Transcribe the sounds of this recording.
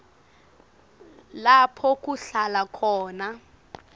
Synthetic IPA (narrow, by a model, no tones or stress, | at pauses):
lapʰɔk̬ʼuɬalakʰɔːna